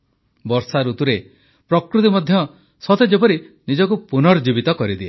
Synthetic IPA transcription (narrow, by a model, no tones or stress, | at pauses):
bɔɾsaɾut̪uɾe | pɾɔkɾut̪̬imɔd̪ʱjɔ | sɔt̪ed͡ʒepɔɾinid͡ʒɔkupunɔɾd͡ʒibit̪ɔkɔɾid̪ie